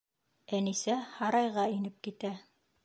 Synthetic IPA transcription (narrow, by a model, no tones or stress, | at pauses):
ænisæhɑɾɑjʁɑinɘp̚kit̪æ